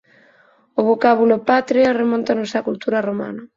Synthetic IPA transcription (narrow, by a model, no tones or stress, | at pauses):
oβokaβulopat̪ɾearemɔ̃nt̪anosakult̪uɾaroma̰na